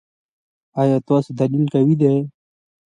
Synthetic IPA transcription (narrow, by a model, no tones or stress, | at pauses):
ajat̪oːsd̪ɐlilkawid̪e